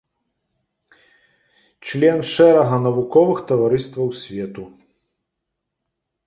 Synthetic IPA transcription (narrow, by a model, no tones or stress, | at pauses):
t͡ʂlʲɛnʂɛɾɐɣɐnɐvukɔvɨxt̪ɐvaɾɨst̪vɐwsʲvʲɛt̪u